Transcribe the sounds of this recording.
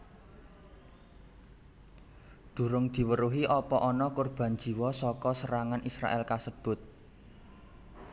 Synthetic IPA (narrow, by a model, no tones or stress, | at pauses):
d̪̥ṳɾʊŋd̪̥i̤wəɾuɦiʔɔpɔʔɔnɔkurb̥a̤nd͡ʒi̤wɔsɔkɔsəɾaŋanʔisɾa̰ʔɛlkasəb̥ʊ̤t̪̚